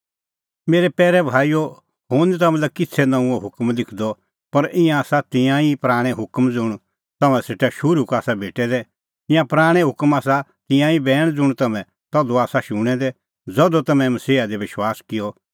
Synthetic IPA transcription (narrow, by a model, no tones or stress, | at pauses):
meːɾɛpɛːɾɛbʱaːijo | ɦʊnt̪̬ɐmɛ̃lɐkɪt͡sʰɛnɐ̃ũɔɦʊkmlɪkʰd̪ɔ | pɐɾɪ̃jãːsat̪ɪ̃jãipɾaːɽ̃ɛ̃ɦʊkmd͡zʊɽ̃ | t̪ɐmɛ̃sɪʈɛʃʊɾukaːsabʱeːʈɛd̪ɛ | ɪ̃jãpɾaːɽ̃ɛ̃ɦʊkmaːsat̪ɪ̃jãibɛːɽ̃d͡zʊɽ̃t̪ɐmɛ̃ | t̪ɐd̪oaːsaʃʊɽ̃ɛd̪ɛ | d͡zɔd̪ot̪ɐmɛ̃mɐsiːad̪eʋɪʃwaːskɪjɔ